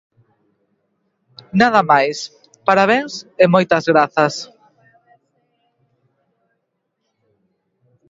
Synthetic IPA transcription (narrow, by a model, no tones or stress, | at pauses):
naðɐmajs | paɾaβ̞eŋsɪmojt̪ɐzɣɾaθɐs